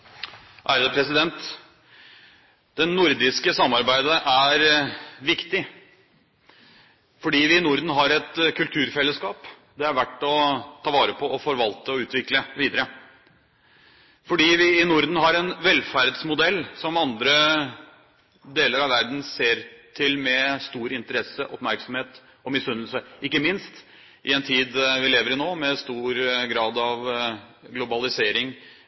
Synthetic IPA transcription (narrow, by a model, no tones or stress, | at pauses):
ʔæ̰ːɾəd̪ɛpʰɾɛsɪd̪ɛnt̪ | d̪̥ɛnːʊɾd̪ɪskəsɑmːɑɾbæɪd̪əʔæɾʋɪkt̪ɪ | fɔɖiːʋɪnʊɾd̪n̩ɦɑɾɛt̪kʰʉlt̪ʰʉːɾfɛlːəskɑːp | d̪ɛɑɾʋæʈːɔt̪ʰɑːʋɑːɾəpʰɔʔɔfɔɾʋɑlt̪əɔʉːt̪ʋɪkləʋiːd̪əɾə | fɔɖiːʋɪːnʊɾd̪n̩ɦɑɾɛnʋɛlfæɾd̪smʊd̪ɛlːsɔmɑnd̪ɾə | d̪eːləɾɑʋæɾd̪n̩seːɾt̪ʰɪlmɛst̪uːɾɪnt̪əɾɛsəʔɔpmæɾksɔmheːt̪ | ɔmɪsʉnəl̩səɪkːəmɪnst̪ | ʔɪɛnt̪ʰiːd̪ʋɪleːʋəɾɪnoːmɛst̪uːɾɡɾɑːd̪ɑʋɡlʊbɑlɪseːɾɪŋ